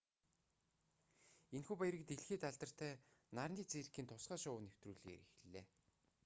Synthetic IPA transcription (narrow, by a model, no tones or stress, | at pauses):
enxuːpæjɾĭk̚t̪eɮxeːt̪aɮt̪ə̆r̥t̪ʰæːnarniːt͡seːrkiːnt̪ʰʊsɢaːʃʊwnew̥t̪ruːɮḭːɾix̆ɮeː